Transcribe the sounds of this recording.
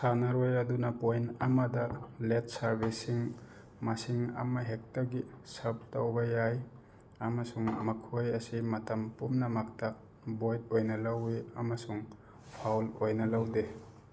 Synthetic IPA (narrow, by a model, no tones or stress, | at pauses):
sanaɾojɐdunɐpojnamɐdɐlet̚saɾbisiŋ | masiŋa̰mɐɦek̚tɐɡisɐp̚tawbɐjaj | amɐsuŋmɐkʰojɐsimɐtɐmpumnɐmak̚ta | bojt̚ojnɐlaweɐmɐsuŋ | pʰawlojnɐlawde